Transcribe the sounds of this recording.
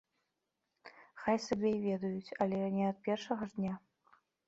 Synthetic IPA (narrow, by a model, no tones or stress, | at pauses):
xajsabʲɛjvʲɛd̪ɐjut͡sʲɐlʲɛnʲɛɐt̪̚pʲɛrʂɐɣɐʐd̪nʲa